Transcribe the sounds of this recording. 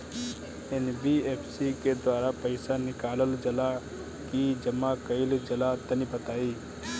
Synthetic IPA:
enbieːpʰsiked̪waːɾapɐɪsanɪkaːləld͡ʒɐla | kid͡ʒɐmakɐɪld͡ʒɐlat̪ɐnĩbɐt̪aːiː

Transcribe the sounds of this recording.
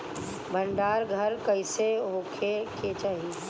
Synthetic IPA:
bʱə̃ɳɖaːɾɡʱɐɾkɐɪseɦoːkʰekʰet͡ʃaːɦii

